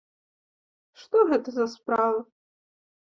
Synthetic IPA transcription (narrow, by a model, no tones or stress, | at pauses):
ʂt̪ɔɣɛt̪ɐzɐspɾavɐ